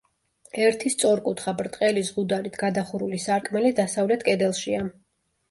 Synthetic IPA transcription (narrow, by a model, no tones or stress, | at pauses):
ɛɾt̪ʰist̪sʼɔɾkʼut̪ʰχabɾt̪ʼqʼɛlizʁud̪aɾit̪ʰɡad̪aχuɾulisaɾkʼmɛlid̪asavlɛt̪ʰkʼɛd̪ɛlˠʃia